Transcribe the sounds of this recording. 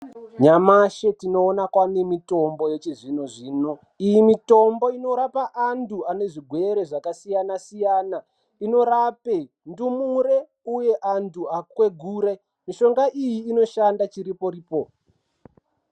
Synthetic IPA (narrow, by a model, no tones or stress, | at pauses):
ɲamaʃe̞tino̞ːnakwanemito̞mbo̞jet͡ʃeʐinoʐiːno | ijimito̞mbo̞ino̞ɾapaʔantʰuane̞ʐiɡʱwe̞ɾe̞ʐakasijanasijaːna | ino̞ɾape | ndumuɾe̞ | uje̞ʔantʰuakwe̞ɡʱuːɾe̞ | miʃo̞ŋɡaʔijiːno̞ʃandat͡ʃiɾipo̞ɾiːpo